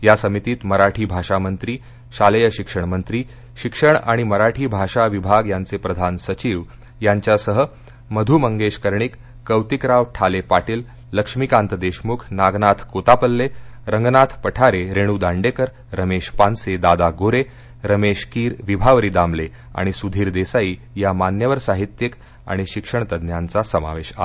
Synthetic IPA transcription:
jasəmit̪iːt̪məɾaʈʰiːbʱaʂamənt̪ɾiː | ɕaləjəɕikʂəɳmənt̪ɾiː | ɕikʂəɳ̃a̰ɽ̃iməɾaʈʰiːbʱaʂaʋibʱaɡjant͡sepɾəd̪ʱansət͡ɕiːʋ | jaɲt͡ɕjasəɦə | məd̪ʱuːməŋɡeɕkəɾɳikː | əwt̪ikɾaʋʈʰalepaʈiːlː | əkʂmikãnt̪əd̪eɕmukʰnaɡnat̪ʰkot̪apəlːeɾəŋɡnat̪ʰpəʈʰaɾeɾeɽ̃uːd̪aɳɖekəɾ | ɾəmeɕpansed̪ad̪aɡoɾe | ɾəmeɕkiːɾʋibʱaʋəɾiːd̪amle | a̰ɽ̃isud̪ʱiːɾd̪esaiː | jamanjəʋəɾsaɦit̪jək | a̰ɽ̃iɕikʂəɳt̪əd̪njant͡sasəma̰ʋeɕa̰

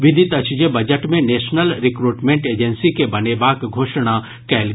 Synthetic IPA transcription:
ʋɪd̪ʱit̪ɐt͡ʃd͡ʒebɐd͡ʒəʈmẽneːʃnəlɾɪkɾuːʈmẽɳʈeːd͡ʒənsikebɐnebaːkɡʱoːʃɽ̃a | kɛːl

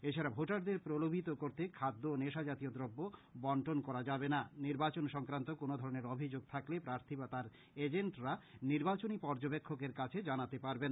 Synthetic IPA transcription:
et͡ɕʰaɾabʱoʈaɾd̪eɾpɾolobʱit̪okoɾt̪ekʰad̪ːoneʃad͡ʑat̪iod̪ɾobːobɔɳʈonkɔɾad͡ʑabenaniɾbat͡ɕonʃɔŋkɾant̪okonod̪ʱɔɾoneɾobʱid͡ʑoɡ̚t̪ʰaklepɾaɾt̪ʰibat̪aɾ | ed͡ʑeɳʈɾaniɾbat͡ɕonipɔɾd͡ʑobekʰːokeɾkat͡ɕʰed͡ʑanat̪epaɾbena

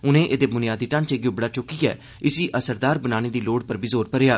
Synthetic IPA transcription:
ʊnẽːʔeːd̪eːbʊnɪjaːd̪iːʈə̃nt͡ʃeːɡʊbɽaːt͡ʃʊkiːɛ̰ː | ɪsiːʔəsəɾd̪aːɾbənaːneːd̪iːloːɽpəɾbizoːɾpəɾeːaː

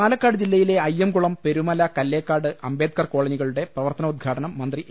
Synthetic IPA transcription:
aːlɐkːaːɽɨd͡ʑilːɐjile̞ɐjːemkuɭɐmpe̞ɾumɐlɐkɐlːeːkːaːɽɨʔɐmbeːd̪̚kɐrko̞ːɭɐɲiɣɐɭuɽe̞prɐʋɐrt̪ɐnɐud̪̚ɡʰʱaːʈɐnɐmːɐnd̪ri

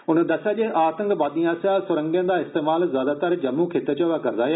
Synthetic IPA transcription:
ʊnəd̪ɐsaʄẽʔaːt̪ə̃ŋɡbaːd̪ijãsasʊɾə̃ŋɡjə̃nd̪aːɪst̪eːmaːlzjaːd̪at̪əɾd͡ʑɐmũkʰeːt̪et͡ɕoːʋakɐɾd̪aːe

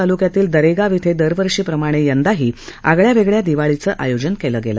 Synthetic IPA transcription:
alukjat̪iːld̪əɾeɡaʋit̪ʰed̪əɾʋəɾʂiːpɾəmaɽ̃ejənd̪aɦiːaɡɭjaʋeɡɭjad̪iʋaɭit͡səːʔa̰jod͡ʑənkeləːɡelə̰

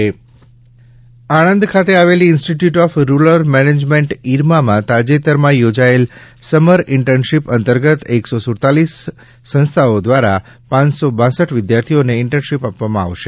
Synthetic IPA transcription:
aɽ̃ənd̪kʰat̪eaʋeliːnsʈiʈjuʈɔfɾuləɾmɛned͡ʒmẽɳʈiɾmamãt̪ad͡ʒet̪əɾmãjod͡ʒaelsəməɾɪɳʈənʃipənt̪əɾɡət̪eksosʊɾt̪alisː | ə̃nst̪ʰaod̪ʋaɾa | pãɲsobãsəʈʋɪd̪jaɾt̪ʰioneɪɳʈənʃipapʋamãa̰ʋʃe

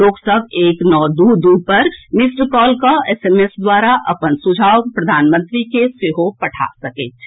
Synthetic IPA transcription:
oːksəɡeːknɔːd̪ud̪uːpɐɾmɪsʈɾəkɔːlkaɛːseːmesd̪waːɾaʔɐ̰pənsʊd͡ʒʱaːwpɾɐd̪ʱaːnmə̃nt̪ɾikeseɦopɐʈʰa̰sɐkḛː

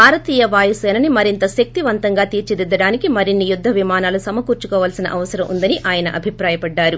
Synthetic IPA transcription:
bʱaːɾɐt̪iːjɐʋaːjɐsɛːnɐnimɐɾint̪ɐʃɐk̚t̪iʋɐnt̪ɐŋɡaːt̪iːɾt͡ʃid̪id̪ːɐɽaːnikimɐɾinːijud̪ʱːɐʋimaːnaːlusɐmɐkuːɾt͡ʃukɔːʋɐːlsinɐ̰ʔɐʋɐsɐɾɐmʔund̪ɐniʔaːjɐnɐʔɐbʱipɾaːjɐpɐɖːaːɾu

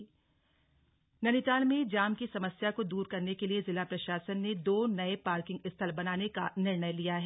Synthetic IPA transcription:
nɐnit̪aːlmẽd͡ʒaːmkisɐməsjakod̪uːɾkɐɾnekeliezɪlapɾɐʃaːsənːed̪oːnɐepaːɾkɪ̃ŋɡɪst̪ʰəlbɐnaːneka̰nɪɾɳəjlijaɦɛ

